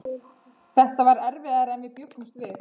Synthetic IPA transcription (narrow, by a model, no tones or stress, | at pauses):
θɛht̪avaɾɛɾvɪðaɾɛnvɪpjœpust̪vɪð